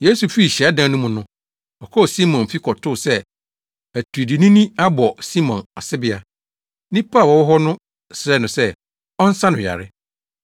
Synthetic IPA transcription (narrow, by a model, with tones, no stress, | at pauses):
je˦su˨fi˦˨ɕɛ˨a˦dã˦nʊ̃˦mʊ̃˨nʊ̃˦ | ɔ˨kʰɔ˦˨si˦mɔ̃˨nfi˦kʰɔ˨tʰʊ˦˨sɛ˦ | æ˨tʰu˨i˨di˨nĩ˦nĩ˦a˦bɔ˨si˦mɔ̃˨na˨sɪ˦bɪ˦a˨ | nĩ˦pʰa˦˨wɔ˨wʊ˦ɦɔ˦nʊ̃˦ | sɾɛ˦˨nʊ̃˨sɛ˦ | ɔ˦n̩˦sã˦nʊ̃˨ja̰˨ɾɪ˦